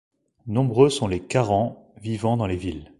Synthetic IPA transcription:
nɔ̃bʁøsɔ̃lekaʁɑ̃vivɑ̃d̪ɑ̃levil

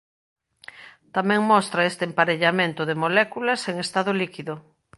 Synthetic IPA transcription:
t̪amɛ̃ŋmɔst̪ɾaest̪empaɾeʎamẽnt̪ʊðemolɛkulɐseŋest̪aðʊlikiðʊ

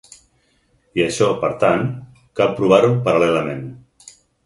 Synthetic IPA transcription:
iəʃɔpəɾt̪an | kalpɾuβ̞aɾupəɾalɛləmen

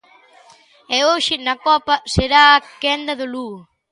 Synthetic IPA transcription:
ɛoʃɪnɐkɔpɐseɾaːkɛnd̪ɐðʊlu

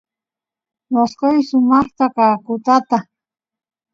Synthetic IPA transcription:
naskojsʊmɑχt̪akaːkʊt̪at̪a

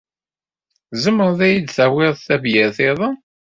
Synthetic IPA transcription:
zəməɾðæjid̪θæwɪðˤθævjæθɪðˤɑ

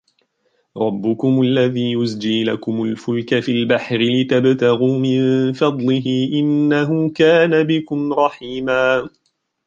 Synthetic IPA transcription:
ɾˤɑbːʊkʊmalːaðiːjʊsd͡ʒiːlakʊmʊlfʊlkafilbaħɾɪlɪt̪abt̪aɣuːmɪnfɑd̪ˤlɪɦiːʔɪnːaɦʊːkaːnabɪkʊmɾˤɑħiːmaː

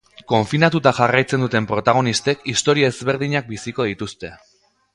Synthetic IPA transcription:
ko̞ɱfinat̪ut̪aʝarajt͡se̞nd̪ut̪e̞mpɾo̞t̪aɣ̞o̞nist̪e̞kist̪o̞ɾiaezβe̞ɾðiɲak̚bisiko̞ð̞it̪ust̪e̞

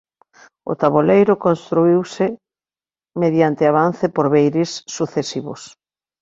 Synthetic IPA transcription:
ʊ̰t̪aβolejɾʊkõnst̪ɾuiwsɪ | meðjant̪ɪaβan̟θɪpoɾβejɾɪsːuθesiβʊ̰s

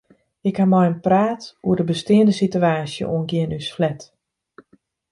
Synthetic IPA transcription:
ɪkhamajənpraːtuədəbəstɪəndəsityaːsjə̰ʔuənɡɪənysflɛt

